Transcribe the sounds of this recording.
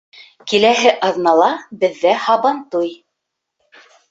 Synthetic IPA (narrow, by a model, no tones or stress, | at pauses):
kilæɦɘʔɑðnɑlˠɑbɘ̆ðːæhɑβɑnt̪uj